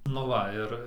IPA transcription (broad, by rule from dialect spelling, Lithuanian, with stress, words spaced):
nʊ ˈʋɐ ɪr